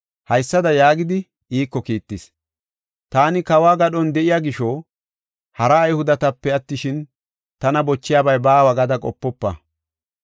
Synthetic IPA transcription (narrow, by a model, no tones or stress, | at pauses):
hɐjsːɐd̪ɐjaːɡɪd̪ɪ | ʔiːkːɔkiːt̪ːɪs | t̪aːnɪkɐwaːɡɐɗɔnd̪ɛʔɪjaːɡɪʃɔ | hɐɾɐːjhʊd̪ɐt̪ɐpːɛɐt̪ːɪʃɪn | t̪ɐnɐbɔt͡ʃːɪjaːbɐjbaːwɐɡɐd̪ɐkʼɔpːɔpːɐ̰